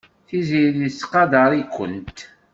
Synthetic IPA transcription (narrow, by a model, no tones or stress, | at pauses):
θiziðisːqːɑd̪ɑɾˤikʷːə̰nt̪